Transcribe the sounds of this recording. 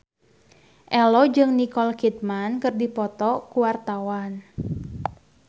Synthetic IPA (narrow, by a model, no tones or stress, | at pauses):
ʔɛlɔd͡ʒɨŋnikɔlkit̪̚mankɨrdipɔt̪ɔkuwart̪awan